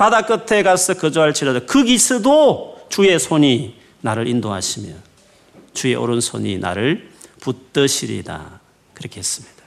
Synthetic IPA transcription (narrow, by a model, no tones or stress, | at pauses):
padak͈ɯtʰe̞ɡasʌkɯd͡ʑoɦaɭt͡ɕiɾadokɯɡisʰɯdot͡ɕue̞sʰoɲi | naɾɯɾʔindoɦa̰ɕʰimjʌ̰n | t͡ɕue̞ʔo̰ɾɯnsʰo̰ɲḭnʔa̰ɾɯɭput͈ɯɕʰiɾḭda̰ | kɯɾʌkʰeɦes͈ɯ̥mɲid̥ḁ